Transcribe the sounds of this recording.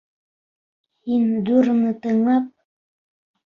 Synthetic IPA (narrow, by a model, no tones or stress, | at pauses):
hind̪uɾnɤt̪ɤ̆ɴlˠɑp̚